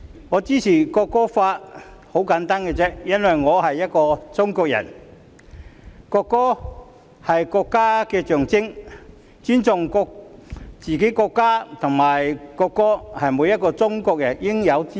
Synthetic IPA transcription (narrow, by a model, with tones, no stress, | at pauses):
ŋɔː˨˧t͡siː˥t͡sʰiː˨˩kɔː˧kːɔː˥faː˧t̚ho˨˥wkaː˨˥nt̪aː˥nkɛ˧t͡sɛ˥jɐ˥nwɐ˨jŋɔː˨˧ɦɐ˨jːɐ˥t̚kɔː˧t͡sʊ˥ŋkɔː˧k̚jɐ̰˨˩n | kɔː˧kːɔː˥ | hɐ˨jkɔː˧kːaː˥kɛː˧t͡ʃœː˨ŋt͡sɪ˥ŋ | t͡syː˥nt͡sʊ˨ŋkɔː˧k̚t͡siː˨ke˨˥jkɔː˧kːaː˥t̪ʰʊ˨˩ŋmaː˨˩jkɔː˧kːɔː˥hɐ˨jmuː˨˧jɐ˥t̚kɔː˧t͡sʊ˥ŋkɔː˧k̚jɐ̰˨˩njɪ˥ŋjɐ˨˧wt͡si˥